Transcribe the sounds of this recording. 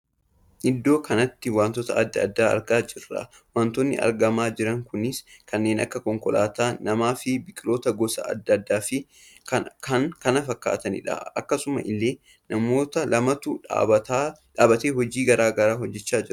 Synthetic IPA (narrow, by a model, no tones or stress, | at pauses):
ʔɪd̪ːo̞ːkʰɐnɐt̪ːɪwaːnt̪ɔt̪ɐɐd̪ːɐd̪ːaːɐ̰ɾɡaːd͡ʒɪrːɐ̰ | waːnt̪ɔnːɪ̰ʔɐ̰ɾɡɐmaːd͡ʒɪɾɐŋkʊnɪskɐnːe̞ːnʔɐ̰kːɐkɔŋkɔla̰ːt̪aːnɐmaːfɪbɪkʼɪlo̞ːt̪ɐɡɔsɐ̰ɐ̰d̪ːɐd̪ːaːfɪ | kɐkɐŋkɐnɐfɐkːa̰ːt̪ɐnɪ̰ᶑɐ̰ɐkːɐsʊmɐ̰ʔɪlːe̞ː | nɐmo̞ːt̪ɐlɐmɐt̪ʊ̰ɐt̪aᶑaːbɐt̪eːɦɔd͡ʒiːɡɐɾaːɡɐɾaːɦɔd͡ʒːɛt͡ʃːaːd͡ʒɪɾ